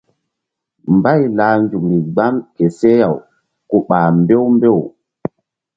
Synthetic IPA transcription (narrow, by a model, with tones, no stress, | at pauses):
mba˦˨jlaː˨nd͡ʒu˨ŋi˨ɡ͡ba˦mke˨se˦ja˨w | ku˨ɓaː˨mbe˦wmbe˦˨w